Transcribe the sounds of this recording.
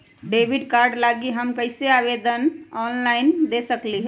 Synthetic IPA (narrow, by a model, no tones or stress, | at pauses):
ɖebʱiɖkaɾɖlaɡiɦəmkəɪseaβed̪ənɔnlaɪnd̪esəkliɦɛ